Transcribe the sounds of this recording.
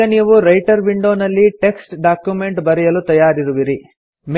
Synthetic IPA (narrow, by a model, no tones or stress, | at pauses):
ɐniːʋuɾɐjʈɐɾʋiɳɖo̞ːnɐlːiʈe̞ksʈɖaːkjume̞ɳʈbɐɾijɐlut̪ɐjaːɾiɾuʋiɾi | m